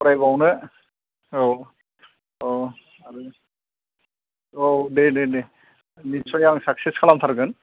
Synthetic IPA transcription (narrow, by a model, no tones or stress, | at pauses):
pɔɾajbawnɯ | o | o | aɾu | onenene | nit͡ʃɔjaŋsakseskʰalamt̪ʰaɾɡɯn